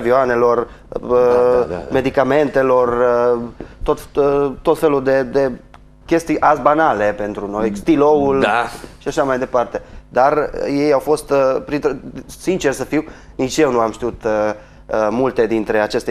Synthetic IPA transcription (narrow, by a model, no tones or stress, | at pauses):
vioane̞lo̞r | me̞d̪ikame̞nt̪e̞lo̞r | t̪o̞t̪t̪o̞t̪fe̞lud̪e̞d̪e̞ | kʲe̞st̪ijʔasbanale̞pe̞nt̪ɾuno̞jst̪iloulaʃiaʃamajd̪e̞part̪e̞d̪arje̞jawfo̞st̪pɾint̪sint͡ʃe̞rsəfiw | nit͡ʃje̞wnuamʃt̪iut̪ | mult̪e̞d̪int̪ɾe̞at͡ʃe̞st̪e